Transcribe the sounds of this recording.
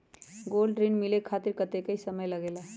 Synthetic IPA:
ɡolɖɾinmilekʰat̪iɾkət̪ekəisəməjləɡela

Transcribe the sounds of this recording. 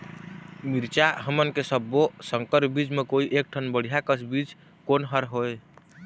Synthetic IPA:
miɾt͡ʃaɦəmənkesəbːosəŋkəɾbid͡ʒmekoiʔek̚ʈʰənbəɽ̤ijakət͡ʃʰbid͡ʒ | konɦəɾɦoj

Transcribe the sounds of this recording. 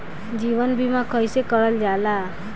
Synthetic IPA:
d͡ʒiʋənbʱimãkəjsekəɭəld͡ʒala

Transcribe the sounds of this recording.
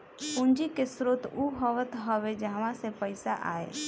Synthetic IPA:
ʊnd͡ʒikesɾoːt̪uɦɔʋət̪ɦəʋed͡ʒaːʋãsepəɪsaʔa̰ːḛː

